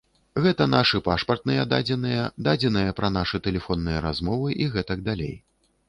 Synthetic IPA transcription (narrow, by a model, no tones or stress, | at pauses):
ɣɛt̪ɐn̪aʂɨpaʂpɐrt̪̚nɨjɛd̪a̰d͡zʲɛnɨjɐd̪ad͡zʲɛnɨjɐpɾɐnaʂɨt̪ɛlʲɛfɔnːɨjɐɾa̰zmɔvɨʔiɣɛt̪ɐɡ̚d̪alʲḛj